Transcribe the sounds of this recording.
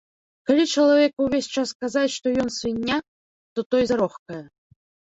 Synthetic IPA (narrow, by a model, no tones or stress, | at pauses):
kalʲit͡ʂɐlˠavʲɛkwvʲesʲt͡ʂaskazat͡sʲʂt̪ɔjɔnsɨnʲːa | t̪ɔt̪ɔjzaɾɔxkɐjɛ